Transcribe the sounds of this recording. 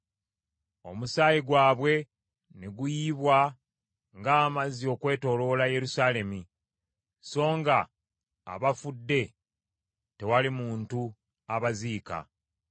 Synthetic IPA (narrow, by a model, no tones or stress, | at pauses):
o̞̰musaːjiɡwaːβwe̞ | neɡujiːβwa | ŋɡaːmazio̞kwe̞ːto̞lo̞laje̞ɾusaːle̞mi | so̞ːŋɡa̰ː | βafudːe̞ | te̞walimuːntu | aβaziːka̰